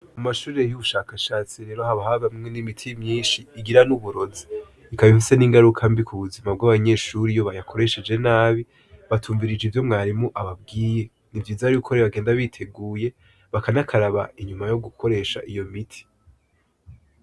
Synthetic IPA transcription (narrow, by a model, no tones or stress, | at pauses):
mumaʃuːɾe̞juβuʃaːkaʃaːt͡siɾe̞ɾohaβahaβamŋenimitʰimɲiːnʃiːɡiɾanuβuɾo̞zi̥ː | kaβifise̞niːŋɡaɾukʰambikʰuβuzimab̚ɡaβaɲe̞ʃuːɾijo̞βajakʰo̞ɾe̞ʃed͡ʒe̞naːβi | βatʰuːɱviɾid͡ʒivjo̞mŋaːɾimoʔaβab̚ɡiːje | nivjiːzaɾiukʰoɾeβaɡe̞ːndaβitʰe̞ɡuːje̞ | βakanakʰaɾaβa̰iɲumajo̞ɡukʰo̞ɾe̞ːʃaʔijo̞mitʰi̥